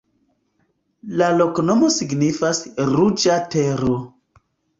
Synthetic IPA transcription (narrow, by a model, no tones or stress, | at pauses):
lalo̞kono̞mo̞siɡnifasɾud͡ʒateɾo